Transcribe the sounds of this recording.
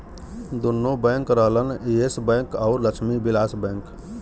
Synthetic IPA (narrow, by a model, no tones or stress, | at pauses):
d̪unːobɛ̃ŋkɾəɦləniesbɛ̃ŋkɔʊɾləkt͡ʃʰʃʰmibilaːsbɛ̃ŋk